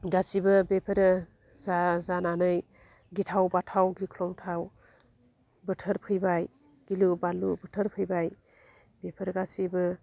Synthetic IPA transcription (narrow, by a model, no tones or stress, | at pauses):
ɡasibɯbepʰəɾ | zazananɯj | ɡitʰawbatʰawɡikʰlɔmtʰaw | bɯtʰəɾpʰɯjbaj | ɡ̥ilubalubɯtʰəɾpʰɯjbaj | bepʰəɾɡasibɯ